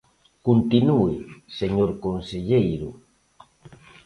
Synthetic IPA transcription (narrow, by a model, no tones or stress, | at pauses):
kunt̪inuiseɲoɾkonseʎejɾu